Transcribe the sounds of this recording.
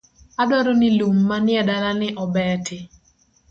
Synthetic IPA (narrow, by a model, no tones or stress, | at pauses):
adwaɾonɪlumːanɪɛdalanɪʔɔbɛtɪ